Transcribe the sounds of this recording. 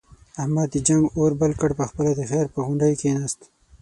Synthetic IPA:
ahmad̪id͡ʒaŋɡoɾbalkəɽpəxpəlad̪exeɾpəɣʊɳɖəjkenast̪

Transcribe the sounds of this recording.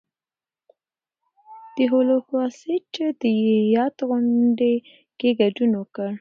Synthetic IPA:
d̪̥eɦolokwɑset͡ʃəd̪əjejɑt̪ɣʊɳɖe | keɡad͡ʒunwəkəɽ

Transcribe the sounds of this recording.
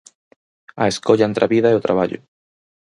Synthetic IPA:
aeskoʎaent̪ɾaβiðaeot̪ɾaβ̞aʎʊ̰

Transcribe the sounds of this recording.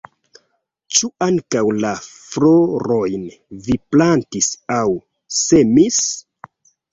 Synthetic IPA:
t͡ʃuaŋkawlaflo̞ɾo̞jn | viplantisaw | se̞mis

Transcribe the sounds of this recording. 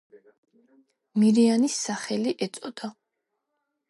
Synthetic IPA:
miɾianisːaχɛliʔɛt̪sʼɔd̪̥a

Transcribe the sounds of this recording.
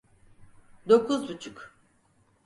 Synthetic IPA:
d̪okʰuzbut͡ʃʰuk

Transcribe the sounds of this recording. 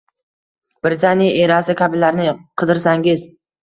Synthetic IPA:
b̥ɾɪt̪ʰanijaʔe̞ɾasɪkʲʰabɪlaɾnɪqʰɨd̪ɪɾsaŋɡʲɪz

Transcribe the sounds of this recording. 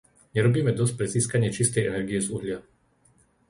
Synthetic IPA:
ɲɛɾɔbiːmɛd̪ɔsc̚pɾɛziːskaɲɪɛt͡ʃist̪ɛjɛnɛɾɡijɛzuɦlɪa

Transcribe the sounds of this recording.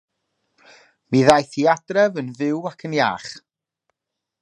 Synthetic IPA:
miðajθiadrɛvənvɪwakʰənja̰ːχ

